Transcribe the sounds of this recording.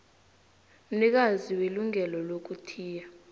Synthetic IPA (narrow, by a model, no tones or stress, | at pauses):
m̩nik̬aziweluŋʱɛlɔlok̬utʰiːja